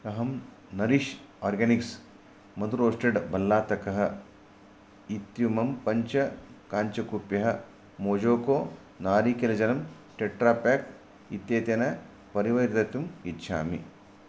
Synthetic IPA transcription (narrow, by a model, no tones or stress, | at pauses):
ɐɦɐm | nɐɾiʃ | aːɾɡɐniks | mɐd̪uɾoːsʈeɖbɐlːaːt̪ɐkɐɦɐ̆ | it̪jumɐmpɐɲt͡ʃɐkaːɲt͡ʃɐkupjɐɦɐ | moːd͡ʒoːkoː | naːɾiːkelɐd͡ʒɐnɐm | ʈeʈɾaːpaːk | it̪jeːt̪jɐnɐ | pɐɾiʋɐjɾt̪ɐt̪umitːʃʰa̰ːmḭ